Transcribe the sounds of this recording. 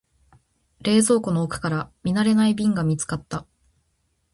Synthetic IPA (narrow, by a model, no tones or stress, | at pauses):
ɾe̞ːzo̞ːko̞no̞ːkɯ̟̥kaɾamʲinaɾe̞naibʲĩŋɡamʲit͡sɨ̥kat̪ːa